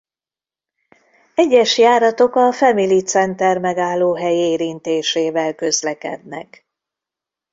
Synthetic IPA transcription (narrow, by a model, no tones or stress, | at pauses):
ɛɟːɛʃjaːɾɒt̪o̞kɒfɛmilit̪sɛnt̪ɛrmɛɡaːlːoːɦɛjieːɾint̪eːʃeːvɛlkø̞zlɛkɛ̰d̪̚nɛ̰k